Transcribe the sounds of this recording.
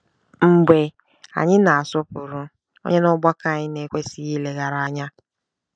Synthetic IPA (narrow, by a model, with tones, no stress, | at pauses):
ŋ͡m̩˨ɡ͡be˨ | a̰˨ɲɪ˦na˨a˨sɔ˦pʊ˨ɾʊ˦ | o̰˦ɲe˦nɔ˦ɡ͡ba˦ka˨ɲɪ˦ne˨kʷe˦si˦ji˦le˨ɣa˨ɾa˨a˦ɲa˦